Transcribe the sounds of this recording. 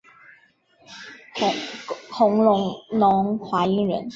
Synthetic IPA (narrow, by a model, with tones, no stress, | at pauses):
xʊ˧˥ŋlʊ˧˥ŋlʊ˧˥ŋxwa˧˥i˧˥ŋɻə̰˧˥n